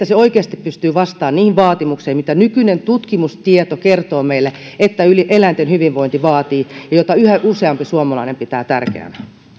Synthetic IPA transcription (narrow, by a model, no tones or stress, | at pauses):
t̪ːæseoikeɑst̪ippyst̪yːʋɑst̪ɑːnniːhiʋʋɑːt̪imukseːmit̪ænykynent̪ut̪kimust̪iet̪okert̪oːmeilːeet̪ːæyliʔelæint̪enhyʋiʋʋoint̪iʋɑːt̪iːjɑjot̪ɑyhæʔuseɑmpisuomɑlɑinempit̪æːt̪ærkḛæ̰næ